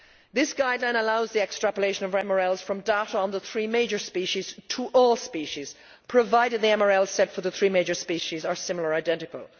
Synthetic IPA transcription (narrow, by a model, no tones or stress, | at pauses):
ðɪsɡ̥aɪdˡlãɪ̃nəlaʊzðiɛkstɹ̥æpəleɪʃə̃nʌvɛməɹɛlˠz̥fɹʌ̃mdaʊɾəə̃nðəθɹiːmeɪd͡ʒə˞spiʃiz̥tʰəʔɔlˠspiʃiz̥ | pʰɹ̥əvaɪɾɨd̪̚ðiɛməɹɛlˠz̥sɛtfə˞ðəθɹiːmeɪd͡ʒə˞spiʃizə˞sɪ̃ml̩ˠə˞aɪdɛ̃ntɪkə̰lˠ